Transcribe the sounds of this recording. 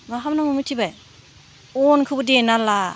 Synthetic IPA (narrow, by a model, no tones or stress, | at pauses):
maɦamnamɯmɯjtʰibaj | ɔnkʰɯbɯdienala